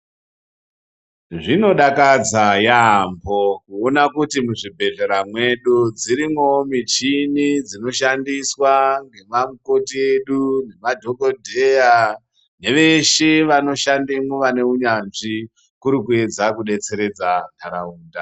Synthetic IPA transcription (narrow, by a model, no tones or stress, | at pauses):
ʐino̞ɗakad͡zajambʱo̞kuonakutimuʐibʱe̞ɮeɾamwe̞ɗud͡ziɾimomit͡ʃinid͡zino̞ʃandiswaŋɡe̞mamuko̞tie̞ɗune̞madʱo̞ɡʱodʱe̞ja | ne̞ʋe̞ʃeʋano̞ʃandimuʋane̞uɲanʐi | kuɾikue̞d͡zakuɗe̞t͡se̞ɾe̞d͡zakʰaɾauːnda